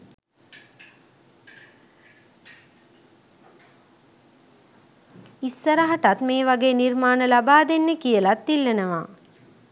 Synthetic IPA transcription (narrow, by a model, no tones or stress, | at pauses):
isːəɾaɦaʈat̪meːʋaɡeːnirmaːnəlabaːd̪enːəkijəlat̪ːilːenəʋa̰ː